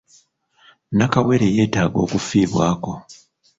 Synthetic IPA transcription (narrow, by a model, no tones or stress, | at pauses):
nakawe̞ɾeje̞ːtaːɡo̞̰ːkufiːβwaːko̞